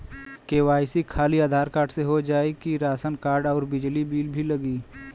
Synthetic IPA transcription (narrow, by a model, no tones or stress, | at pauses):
keːwaːjsikʰaːliaːd̪ʱaːɾkaːɾɖseɦod͡ʒaːekiɾaːsənkaːɾɖɔːɾbɪd͡ʒlibiːlbʱilɐɡiː